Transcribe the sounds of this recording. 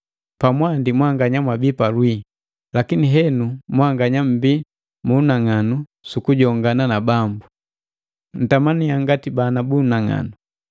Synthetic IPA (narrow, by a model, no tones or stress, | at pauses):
pamwandimwaŋɡaɲamwabipalwi | lakiniɦɛnumwaŋɡaɲam̩bi | munaŋanu | sukuɟɔŋɡananabambu | n̩tamaniaŋɡatibanabunaŋa̰nu